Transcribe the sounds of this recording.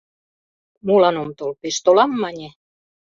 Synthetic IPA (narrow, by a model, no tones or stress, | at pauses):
mulɑnomt̪olpeʃt̪olɑmːɑnʲe